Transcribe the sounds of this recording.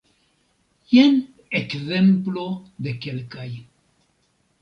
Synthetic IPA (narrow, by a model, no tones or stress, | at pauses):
jen | ekzemplod̪ekelkaj